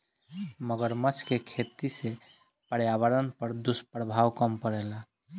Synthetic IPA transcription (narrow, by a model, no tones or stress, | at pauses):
məɡəɾmət͡ʃʰkekʰet̪ise | pəɽjaʋəɾənpəɾd̪uspɾəbʱawkəmpəɾɛla